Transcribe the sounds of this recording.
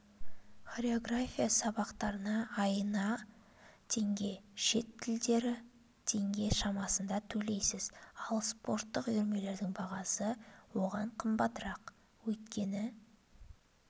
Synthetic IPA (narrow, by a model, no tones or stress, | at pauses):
χaɾe̞o̞ɡrafʲijasɑβɑqt̪ɑɾənɑɑjənɑ | t̪ʰe̞ŋɡʲe̞ʃe̞t̪ʰːɪld̪e̞ɾɪ | t̪ʰe̞ŋɡʲe̞ʃɑmɑsənd̪ɑt̪ʰɵle̞jsɪzɑlˠspo̞ɾt̪ːəqʏɾme̞le̞ɾd̪ɪŋbɑʁɑsəwo̞ʁɑɴqʰəmbɑt̪əɾɑq | wɵt̪̚kʲe̞nɪ